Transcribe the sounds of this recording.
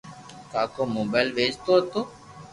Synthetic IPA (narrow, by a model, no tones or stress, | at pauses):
kaːkoːmoːbaːlʋeːd͡ʒt̪oːɦət̪oː